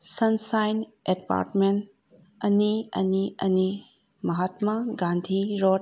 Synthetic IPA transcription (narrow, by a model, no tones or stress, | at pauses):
sɐnsajnedpa̰ɾʈmen | ɐniɐ̰niɐni | mɐɦat̪mɐɡãnd̪ʱiɾot